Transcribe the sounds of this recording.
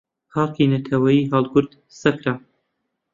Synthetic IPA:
xɑːlˠkinɐt̪ʰɐwɐjiːɦɑlˠɡʊɾd̪ | sɐkɾa

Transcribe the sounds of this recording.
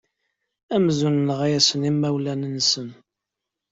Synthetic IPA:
æmzunnəʁæjæsənimːæwlænənsən

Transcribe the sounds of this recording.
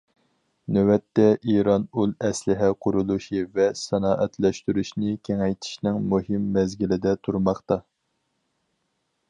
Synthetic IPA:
nɛwɛt̪ːɛʔiɾɑnulˠɛslɪɦɛqʰʊɾulˠuʃivɛsɛnɑːʔɛt̪ʰlɛʃt̪yɾyʃnɪkʲʰeŋɛjt̪ʰi̥ʃnɪŋmuhɪmːɛzɡʲilɪd̪ɛt̪ʰuɾmɑχt̪ɑ

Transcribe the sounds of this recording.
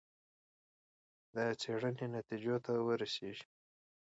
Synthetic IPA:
d̪ət͡seɽənenat̪id͡ʒot̪awəɾaseʒi̥

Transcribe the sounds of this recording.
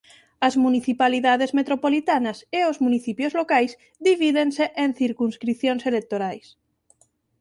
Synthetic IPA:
azmuniθipaliðað̞ezmet̪ɾopolit̪anaseozmuniθipjozlokajz | ðiβiðenseʔenθiɾkunskɾiθjonselek̚t̪oɾajs

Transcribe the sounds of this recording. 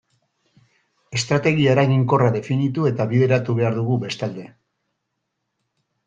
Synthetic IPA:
e̞st̪ɾat̪e̞ɣ̞iaeɾaɣiŋko̞raðe̞finit̪ue̞t̪aβiðe̞ɾat̪uβe̞aɾðuɣube̞st̪ald̪e̞

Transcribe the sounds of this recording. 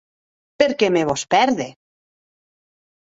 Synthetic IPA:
peɾkemeβospɛɾðe

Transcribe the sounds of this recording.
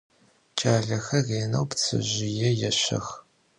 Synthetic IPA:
t͡ʃʼaːɮɐxɐɣeːnɐwpt͡sʰɨ̰ʑɪjɛjɛɕɐ̰x

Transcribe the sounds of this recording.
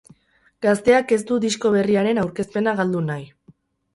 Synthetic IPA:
ɡ̥ast̪e̞ake̞zd̪ud̪isko̞β̞e̞riaɾe̞nawɾke̞spe̞naɣald̪unaj

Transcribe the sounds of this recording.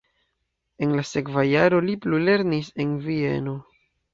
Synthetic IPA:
e̞nlase̞kvajaɾo̞liplule̞ɾnise̞nvie̞̰no̞

